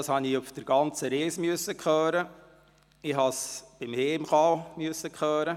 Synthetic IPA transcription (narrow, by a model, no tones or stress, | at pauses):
ɑːshɑniʊfd̥əɾɡ̥ɑnt͡səɾeːsmyəsəkχœːɾə | ɪɦɑsb̥ɪmheːɪmχɑlmyəsəkχœːɾə